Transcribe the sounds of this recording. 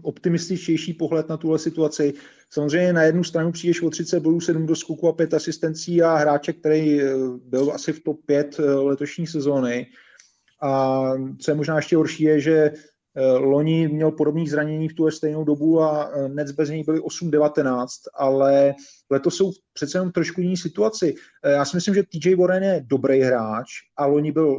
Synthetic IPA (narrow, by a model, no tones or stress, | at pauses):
ʔo̞pt̪ɪmɪst̪ɪt͡ʃcɛjʃiːpo̞ɦlɛt̪nat̪uɦlɛsɪt̪uat͡sɪ | samozrɛjɲɛnajɛdnust̪ɾanupr̥iːdɛʃvot̪r̝ɪt͡sɛt̪boduːsɛdumdoskukuapjɛt̪asɪst̪ɛnt͡siːaɦɾaːt͡ʃɛk̚t̪ɛɾɛjbɪla̰sɪft̪opjɛt̪lɛt̪o̞ʃɲiːs̬ɛzo̞ːnɪ | ʔat͡so̞jɛmo̞ʒnaːɛʃcɛɦoɾʃiːjɛʒɛ | lo̞ɲɪmɲɛlpo̞do̞bniːzɾaɲɛɲiːft̪uɦlɛst̪ɛjnowdo̞buanɛt͡sbɛzɲɛjbɪlɪʔo̞sumdɛvat̪ɛnaːt͡st̪alɛ | lɛt̪osːo̞wpr̥ɛt̪t͡sɛjɛnomft̪ɾo̞ʃkujɪniːsɪt̪uat͡sɪ | jaːsɪmɪslɪmʒɛt̪id͡ʒɛjboɾɛnjɛdo̞bɾejɦɾaːt͡ʃʔalo̞ɲɪbɪl